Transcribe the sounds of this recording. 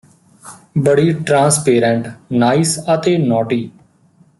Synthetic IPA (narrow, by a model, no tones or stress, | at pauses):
bəɽiːʈɾãːnspeːɾə̃ɳʈnaːisət̪eːnɔːʈiː